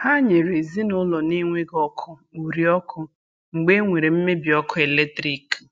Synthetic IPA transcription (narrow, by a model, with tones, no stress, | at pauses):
ha˦ɲe˨ɾe˨zi˦nʊ˦lɔ˨ni˦ŋʷe˦ɡɔ˦kʰʊ˦u˨ɾi˨ɔ˦kʰʊ˦ | ŋ͡m̩˨ɡ͡be˦ŋʷe˨ɾe˨m̩˦me˦bi˨ɔ˦kʰʊ˦e˨le˦tɾi˦k